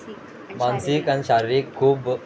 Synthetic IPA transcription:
mãnsikanɕaɾɾikʰːuːb

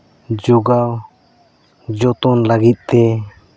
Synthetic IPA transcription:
d͡ʒɔɡaw | d͡ʒɔt̪ɔnlaɡit̪̚ˀt̪ɛ

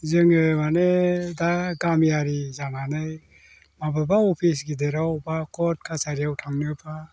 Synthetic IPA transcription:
zɯŋɯmanedaɡamjaɾizaŋanaj | mababaɔpʰisɡideɾawbakʰɔt̚kʰasaɾijawtʰaŋnɯpʰa

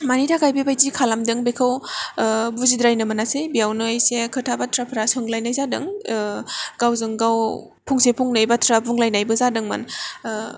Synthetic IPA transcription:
manitʰakʰajbibajzikʰalamdɯŋbekʰɯw | buzidɾajnɯmɐnasejbijawnɯjsekʰɯtʰabatʰɾapʰɾasɯŋlajnajzadɯŋ | ɡ̥awzɯŋɡaw | pʰuŋsepʰuŋnɯjbatʰɾapʰuŋlajnajbɯzadɯŋma̰n

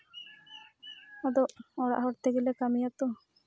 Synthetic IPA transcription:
ɔd̪ɔʔɔɽa̰ʔɦɔɾt̪eɡɛlekamijat̪ɔ

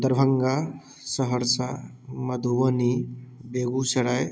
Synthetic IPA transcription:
d̪ɐɾbʱɐŋɡa | səɦəɾsa | mɐd̪ʱuʋɐnibeɡuseɽaj

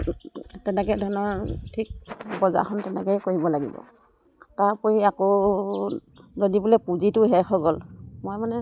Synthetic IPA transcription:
tɛnɛkɛdʱɔnɔɹtʰik̚bɔza̰xʰɔntɛnɛkɛjkoɹibɔlaɡḭbɔ̰ | taɹpɔɹiako | zodibulɛpuzitʊɦɛxʰɔɡɔlmojmanɛ

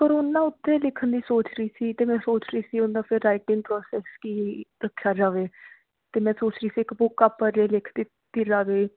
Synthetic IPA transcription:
pəɾʊnːãːʊt̪ʰːẽːlɪkʰənd̪iːsoːt͡ʃɾəiːsiːt̪eːmɛ̃ːsoːt͡ʃɾəiːsiːʊnd̪ãːpʰɪɾːaːɪʈɪ̃ŋɡpɾoːsɛːskiːɾəkʰːjaːd͡ʒaːʋeː | t̪eːmɛ̃ːsoːt͡ʃɾəiːsiːɪkbʊkːapːəɾeːlɪkʰd̪i | t̪ːiːd͡ʒaːʋeː

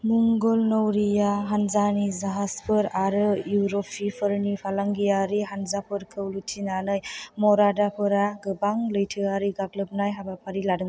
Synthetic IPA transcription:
muŋɡɔlnɔwɾijaɦanzanizaɦaspʰɯɾaɾɯjuɾɔpʰipʰɯɾnipʰalaŋɡijaɾiɦanzapʰɯɾkʰɯwlutʰinanɯjmɔɾadapʰɯɾaɡɯbaŋlɯjtʰɯaɾiɡaɡlɯp̚najɦabapʰaɾiladɯŋ

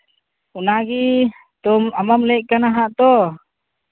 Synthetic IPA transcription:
unaɡi | t̪ɔmamamlɛʔ̚kanaɦaʔt̪ɔ

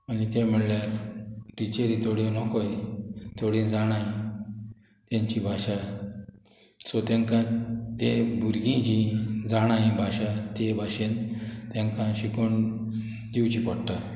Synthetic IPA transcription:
anit̪em̤əɽla | ʈit͡ɕeɾit̪oɽĩnɔkɔjt̪oɽĩd͡zaɽ̃aj | t̪ãɲt͡ɕibʱaɕa | sɔt̪ɛ̃ŋkãt̪ebʱuɾɡĩd͡ʑĩd͡zaɽ̃ajbʱaɕat̪ebʱaɕent̪ɛ̃ŋkãɕikoɳ | d̪iwt͡ɕipɔɽʈːa

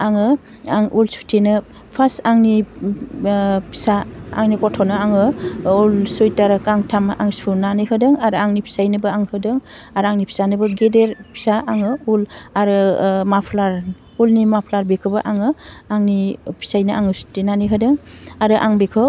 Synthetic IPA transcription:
aŋɯ | aŋulsu̥tʰenɯ | pʰasaŋni | pʰi̥saa̰ŋnikɔtʰɔnɯaŋɯulsojtaɾɯkaŋtʰamʔaŋspʰunanɯɦɯdɯŋaɾɯaŋnipʰi̥sajnɯbɯaŋhɯdɯŋ | aɾaŋnipʰi̥sanɯbɯɡedeɾpʰi̥saʔaŋɯulaɾɯmapʰlaɾ | ulnimapʰlaɾbekʰɯbɯʔaŋɯaŋnipʰi̥sajnɯʔaŋɯsu̥tʰenaniɦɯdɯŋaɾɯʔaŋbekʰɯ

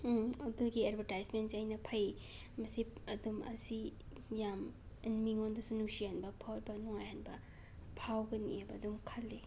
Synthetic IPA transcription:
ɐduɡiadbʱɐɾtajsmensiɐjnɐpʰɐj | mɐsiɐdumɐ̰si | jam | inmiŋondɐsunusijanbɐpʰowɾbɐnuŋajhanbɐ | pʰawɡɐnḭebɐːdumkʰɐlːe

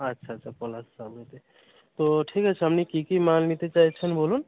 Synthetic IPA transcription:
ətːʃʰatːt͡ʃʰakɔlassabet̪e | t̪oʈʰikɦat͡ʃʰɦəmnikikimanmit̪et͡ʃaɦit͡ʃʰənbolun

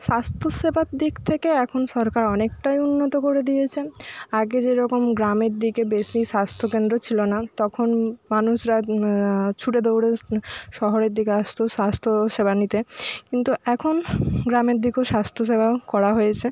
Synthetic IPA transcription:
ʃast̪ʰoʃebʱad̪ikt̪ʰekeɛkʰonʃɔɾkaɾɔnek̚ʈajunːot̪okoɾed̪ijet͡ɕʰeaɡed͡ʑeɾɔkomɡɾameɾd̪ikebesiʃast̪ʰokend̪ɾot͡ɕʰilonat̪ɔkʰonmanuʃɾa | t͡ɕʰuʈed̪owɽeʃɔɦoɾeɾd̪ikeaʃt̪ʰoʃast̪ʰoʃebʱanit̪ekint̪uɛkʰonɡɾameɾd̪ikeoʃast̪ʰoʃ̬ebʱaokɔɾaɦojet͡ɕʰe

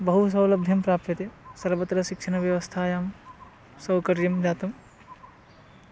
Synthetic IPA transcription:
bɐɦus̬ɐwlɐbd̪ʱjɐmpɾaːp̚t̪ɐt̪esɐɾʋɐt̪ɾɐʃikʃʰɐnɐʋjɐʋɐst̪ʰaːjaːm | sɐwkɐɾjɐmd͡ʒaːt̪ɐm

